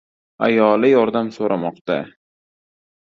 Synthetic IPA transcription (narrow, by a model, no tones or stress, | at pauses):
a̰jɒlɪjɒɾd̪amsoɾamɒqt̪a̰